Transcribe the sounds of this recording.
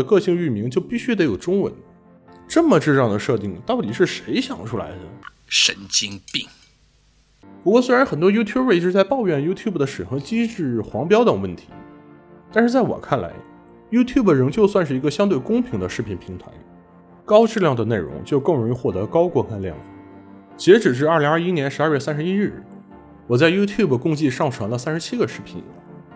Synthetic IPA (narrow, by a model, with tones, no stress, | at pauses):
ə˩kɤ˥˧ɕi˥˧ŋy˥˩mi˧˥ŋt͡ɕjo˥˧ʊpi˥˩ɕy˥d̪ə˧˥jo˨˩ʊʈ͡ʂʊ˥ŋwə̰˧˥n | ʈ͡ʂə˥˩mə˩ʈ͡ʂɻ̩˥˧ʈ͡ʂɑ˥˩ŋd̪ə˩ʂɤ˥˧t̪i˥˩ŋt̪ɑ˥˩ʊt̪i˨˩ʂɻ̩˥˩ʂe˧˥ɪɕjɑ̰˨˩ŋʈ͡ʂʰu˥la̰˧˥ɪd̪ə̰˨ | ʂə̰˧˥nt͡ɕi˥ŋpi˥˩ŋ | pu˧˥kwɔ˥˩swe˥ɻa˧˥nxə˨˩nt̪wɔ˥ju˥t̪ʰju˥bwe˥˩ɪ˧˥ʂɻ̩˥t͡sa˥˧ɪpɑ˥˧ʊɥɛ˥˩nju˥t̪ʰju˥˩bə˩d̪ə˩ʂɻ̩˨˩xɤ˧˥t͡ɕi˥ʈ͡ʂɻ̩˥˩xwɑ˧˥ŋpjɑ˥ʊt̪ɤ˨˩ŋwə˥˩nt̪ʰi̥̰˧˥ | t̪a˥˧nʂɻ̩˥˧˩t͡sa˥˩ɪwɔ̰˨˩kʰa˥˩nla̰˧˥ɪ | ju˥t̪ʰju˥˩bə˩ɻə˧˥ŋt͡ɕjo˥˧ʊswa˥˧nʂɻ̩˥˩i˧˥ɡə˧ɕjɑ˥ŋt̪we˥˩ɪkʊ˥ŋpʰi˧˥ŋd̪ə˧ʂɻ̩˥˩pʰi˧˩npʰi˧˥ŋt̪ʰa̰˧˥ɪ | kɑ˥ʊʈ͡ʂɻ̩˥˧ljɑ˥˩ŋd̪ə˩ne˥˩ɪɻʊ̰˧˥ŋt͡ɕjo˥˧ʊkɤ˥˩ŋɻʊ˧˥ŋi˧xwɔ˥˩t̪ɤ̰˧˥kɑ˥ʊkwɔ˥˧kʰa˥˧nljɑ̰˥˩ŋ | t͡ɕi˧˥ʈ͡ʂɻ̩˨˩ʂ̬ɻ̩˥˧ɐ˞˥˩li˧˥ŋɐ˞˥˧˩i˥njɛ˧˥nʂɻ̩˧˥a˞˥˧ɥɛ˥˩sa˥ʂɻ̩˧˥i˥ɻɻ̩˥˩ | wɔ˨˩t͡sa˥˩ɪju˥t̪ʰju˥˩bə˩kʊ˥˧ŋt͡ɕi˥˧ʂɑ˥˩ŋʈ͡ʂʰɤ˧˥ŋlə˧sa˥nʂɻ̩˧˥t͡ɕʰi˥ɡə˧ʂɻ̩˥˩pʰḭ˨˩n˨˥˦